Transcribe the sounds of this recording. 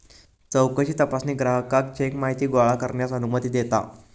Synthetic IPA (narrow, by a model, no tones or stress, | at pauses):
t͡səwkəɕiːt̪əpasniːɡɾaɦəkak̚t͡ɕaekmaɦit̪iːɡoaɭakəɾɳjat͡sənumət̪iːd̪et̪a̰